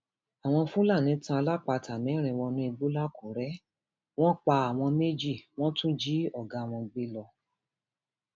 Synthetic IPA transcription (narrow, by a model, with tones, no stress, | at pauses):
a˨w̃ɔ̃˧fũ˦la˦˨nĩ˨˦tã˧la˦k͡pa˧tʰa˨mĩ˨˦ɾ̃ĩ˧w̃ɔ̃˧nũ˦i˧ɡ͡bu˦la˦ko˨ɾɛ˦ | w̃ɔ̃˦k͡pa˧a˨w̃ɔ̃˧me˦d͡ʒi˦˨w̃ɔ̃˦tũ˦d͡ʒi˦ɔ˦˨ɡã˨˧˨w̃ɔ̃˧ɡ͡be˦lɔ˧